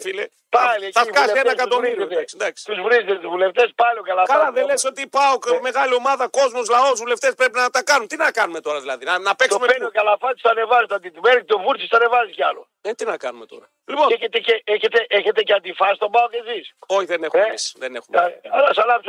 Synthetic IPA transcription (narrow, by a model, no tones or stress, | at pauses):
file | palθɐvkɐseenɐkɐd̪omiɾɐksid̪ɐksi̥uzvuɾizeuvuleft̪espaluɡalakɐlɐðelesot̪ipɐokmeɣaliomɐðɐkozmuzlɐozvuleft̪espɾepinɐt̪ɐkɐnunt̪inɐkɐnumet̪o̞ɾɐðilɐðinɐnɐpekssumepɡalafat̪u̥sanevaʒt̪at̪it̪umɛɾk̚t̪ovuɾt̪ust̪anevaʒika̰lṵ | et̪inɐkɐnumet̪o̰ɾɐ | liponeket̪ekeeket̪eʔeket̪ekat̪ifaʃt̪obawkeziʃoçiðenexɛsðenḛxumaɾɐsala